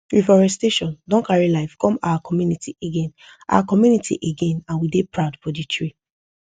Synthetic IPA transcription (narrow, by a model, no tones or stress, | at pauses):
ɹifɔɹɛsteʃɔ̃ndɔ̃nkaɹilaɪfkʰɔ̃ma̰wakɔmjunitiʔeɡẽn | ʔa̰wakɔmjunitʰḭʔeɡẽnãnwidepɹaʊdfɔditɹi